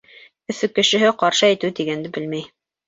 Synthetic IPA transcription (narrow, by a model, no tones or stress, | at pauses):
ɵ̆fɵkːɘ̆ʃɘ̆ɦɘqɑɾʃɤæjt̪ɘt̪iɡænd̪ɘbɘlmæj